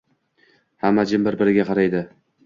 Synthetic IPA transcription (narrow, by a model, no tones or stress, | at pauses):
hamːad͡ʒɪmbɪɾbɪɾɪɡʲaqʰɑɾajd̪ɪ